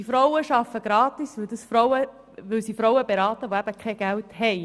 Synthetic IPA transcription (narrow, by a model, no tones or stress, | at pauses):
ifɾɔwəʃɑfəɡ̥ɾɑːt̪isʋɵldəsfɾɔwə | ʋɵlsifɾɔwəbeɾɑːtəʋoæb̥əkχɛɡ̥ælthɛj